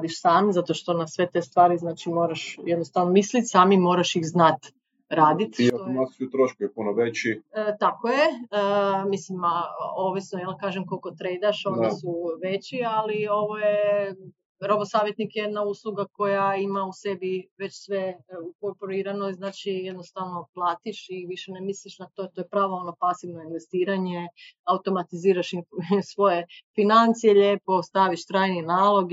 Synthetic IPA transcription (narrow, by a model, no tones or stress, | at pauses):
d̪iʃsaːmzat̪o̞ʃt̪o̞nasʋe̞t̪est̪ʋaːɾiznaːt͡ʃimo̞ːɾaʃjed̪nost̪aʋnomislit̪saːmimo̞ːɾaʃixznat̪ | ɾaːd̪it̪iaknassut̪ɾoʃkujepunoʋet͡ɕit̪akojeəmislimaoʋisnojelˠkaːʒemkolko̞t̪ɾejd̪aʃo̞nisuʋet͡ɕialio̞ʋoje | ɾo̞bosaːʋjet̪nikjed̪nauslˠuɡako̞jaimausebiʋe̞t͡ɕsʋeukoɾpoɾiːɾanojznaːt͡ʃijed̪nost̪aʋno̞plˠaːt̪iʃiʋiʃenemisliʃnat̪ot̪o̞jepɾaːʋoo̞no̞pasiʋno̞inʋest̪iːɾaɲeaut̪o̞mat̪iziːɾaʃinsʋo̞jefinant̪sijeʎeːpo̞st̪aʋiʃt̪ɾaːjninaːlˠo̞ɡ